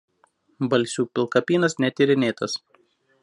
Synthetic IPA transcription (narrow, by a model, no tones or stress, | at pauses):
bɐlʲsʲuːpʲɪlˠkɐpʲiːnɐsnʲɛt̪ʲiɾʲɪnʲeːt̪ɐs